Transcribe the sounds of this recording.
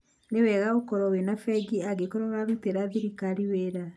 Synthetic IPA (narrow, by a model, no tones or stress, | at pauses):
newɛɣaokɔɾɔwenafɛɡiaɡekɔɾɔɣaβiteɾaðiɾikaɾiweːɾa